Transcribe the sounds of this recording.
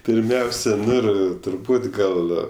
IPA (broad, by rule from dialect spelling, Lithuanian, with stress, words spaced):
pʲɪrʲˈmʲɛʊsʲɛ ˈnʊ ɪr tʊrˈbuːt ˈɡɐlˠ